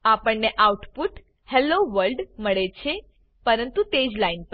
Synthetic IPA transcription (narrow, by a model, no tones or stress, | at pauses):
apəɳneʔauʈpuʈ | heloʋəɾlɖməɭet͡ʃʰe | pəɾənt̪ut̪ed͡ʒlainp